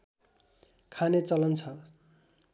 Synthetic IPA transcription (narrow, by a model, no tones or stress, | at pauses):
kʰanet͡sʌlʌnt͡sʰʌ